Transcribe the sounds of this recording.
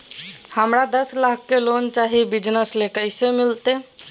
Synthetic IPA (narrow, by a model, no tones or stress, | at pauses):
həmɾad̪əslakʰːelont͡ʃaɦibid͡ʒnəslekəɪsemilt̪e